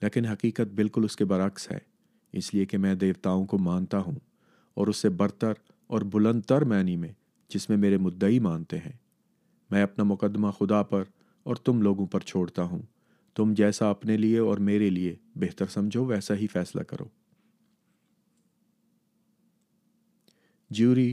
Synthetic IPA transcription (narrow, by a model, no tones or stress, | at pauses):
leːkɪnɦɐqiːqət̪̚bɪlkʊlʊskebɐɾəksɦɛ̰ː | ɪsliekemɛ̃ːd̪eːʋt̪aːõkomaːnt̪aɦũ | ɔ̰ːɾʊsːebɐɾt̪əɾ | ɔːɾbʊlə̃nd̪̚t̪əɾmɛːnimẽ | d͡ʒɪsmẽmeːɾemʊd̪ːəimaːnt̪eɦɛ̃ː | mɛ̃ːɐpnamʊqəd̪ːmaxʊd̪apɐɾ | ɔːɾt̪ʊmloːɡõpɐɾt͡ʃʰoːɽt̪aɦũ | t̪ʊmd͡ʒɛːsaɐpnelieɔːɾmeːɾeliebeɦt̪əɾsɐmd͡ʒʱoʋɛːsaɦifɛːsla̰kɐ̰ɾo̰ː | d͡ʒuːɾiː